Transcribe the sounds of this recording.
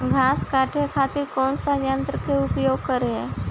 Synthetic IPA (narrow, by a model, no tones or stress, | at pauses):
ɡʱaːskaːʈʰekʰat̪iɾkɔːnsajənt̪ɾəkeʊpjoːɡ̚kəɾeɦɛː